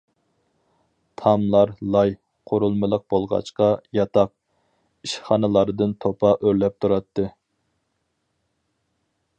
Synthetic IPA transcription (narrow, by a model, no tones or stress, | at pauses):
t̪ʰɑmlˠɑɾlˠɑj | qʰoɾulˠmɨlˠəq̚bolˠʁɑ̰t͡ʃqɑjɑt̪ʰɑq̚ | iʃχɑnɨlˠɑɾd̪ɨnt̪ʰopʰɑʔøɾlɛp̚t̪ʰuɾɑt̪ːɨ